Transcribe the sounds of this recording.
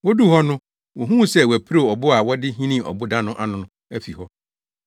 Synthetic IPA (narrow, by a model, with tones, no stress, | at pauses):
wo˦du˦hɔ˦nʊ̃˦ | wo˨ɦũ˦˨sɛ˦wæ˨pʰɾo˦˨ɔ˨bʊ˦a˨wɔ˦dɪ˦ɦĩ˦nĩ˦˨ʔɔ̰˨bʊ˦dã˦nʊ̃˦ʔa˦nʊ̃˨nʊ̃˨˦ | æ˦fi˨hɔ˦